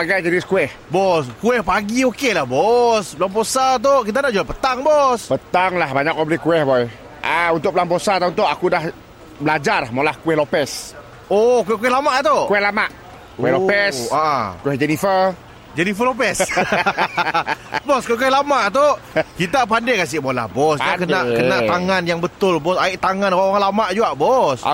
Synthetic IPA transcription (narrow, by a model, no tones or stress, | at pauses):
baɡajd͡ʒəɾiskuɛh | bɔskuɛhpaɡiokelahbɔsbəlamposat̪̬okit̪̬anaʔd͡ʒuapət̪aŋbɔspət̪aŋlahbaɲak̚oblikuɛhbɔj | ʔaunt̪ʊk̚bəlambosat̪aunt̪ʊʔakudah | blad͡ʒarmalahkuwɛhlopɛs | okuɛhkuɛhlamaʔt̪okuɛhlamaʔ | kwɛhlopɛaʔakuwɛhd͡ʒɛnifər | d͡ʒɛnifəlop̬ɛs | bɔskuk̬uɛhlamaʔt̪o | kit̪ap̬andekas̬ɪʔbola̰hbɔsakəaʔkənaʔt̪aŋanjaŋbət̪ʊlbɔsaɪʔt̪aŋanwawaŋlamaʔd͡ʒuɡaʔbɔsa̰